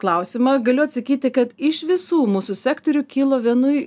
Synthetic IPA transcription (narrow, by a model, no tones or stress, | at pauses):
klˠɐˑʊsʲɪmɐɡɐlʲʊɐt̪sɐkʲiːt̪ʲɪkɐt̪ɪʃʋʲɪsuːmuːsʊsʲæːkt̪ɔɾʲuːkʲiːlˠoːʋʲiɛnʊɪ